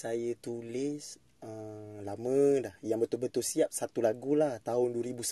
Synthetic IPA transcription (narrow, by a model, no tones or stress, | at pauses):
sajət̪ulɪs | əlamədahjaŋbət̪ʊlbət̪ʊlsiap̚sat̪ulaɡulaht̪aɦʊnduəɾibus